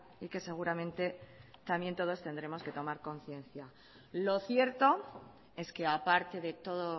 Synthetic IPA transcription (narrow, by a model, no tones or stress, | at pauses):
ike̞se̞ɣ̞uɾamẽ̞nt̪e̞t̪amje̞nt̪o̞ð̞o̞st̪e̞nd̪ɾe̞mo̞ske̞t̪o̞maɾko̞n̟θje̞nθja | lo̞θje̞ɾt̪o̞ | e̞ske̞apaɾt̪eðe̞t̪o̞ðo